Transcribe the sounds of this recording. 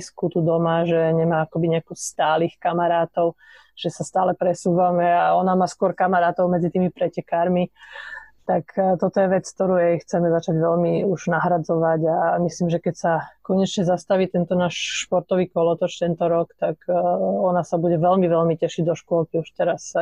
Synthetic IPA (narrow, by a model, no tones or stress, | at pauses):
skut̪ud̪ɔmaʒɛɲɛmaːakɔbiɲɛakɔst̪aːliːxkamaɾaːt̪ɔʊ | ʒ̥ɛsast̪aːlɛpɾɛsuːʋamɛaɔnamaːskʊɔɾkamaɾaːt̪ɔʊmɛd͡zit̪iːmipɾɛcɛkaːɾmi | t̪akt̪ɔt̪ɔjɛʋɛt͡sk̚t̪ɔɾuːjɛjxt͡sɛmɛzat͡ʃaɟʋɛlmiuʒ̥naɦɾad͡zɔʋaɟamisliːmʒɛkɛcsakɔɲɛt͡ʃɲɛzast̪aʋiːt̪ɛnt̪ɔnaːʃʃpɔɾt̪ɔʋiːkɔlɔt̪ɔt͡ʃt̪ɛnt̪ɔɾɔkt̪akɔnasabuɟɛʋɛlmiʋɛlmicɛʃiɟd̪ɔʃkʊɔlkiuʃt̪ɛɾas